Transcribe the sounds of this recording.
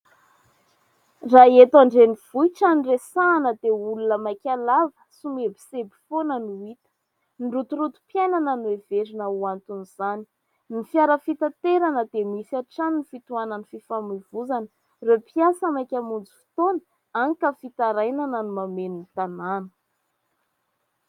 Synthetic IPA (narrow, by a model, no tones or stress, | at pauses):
raet̪aɳɖ͡ʐeniv̥uiʈ͡ʂaniresaːnəd̪eulunəmakʲalavə̥sumebi̥sebi̥fonənuit̪ə̥ | nrut̪uɾut̪u̥pjajnananuevezinəuant̪uniz̥ani̥ | nifjaɾəfit̪at̪eɾanəd̪emisaʈ͡ʂannifit̪uananififamivuzan | repiasəmakʲamund͡zu̥fi̥t̪onə | aŋkəfit̪aɾajnananumameninit̪ananə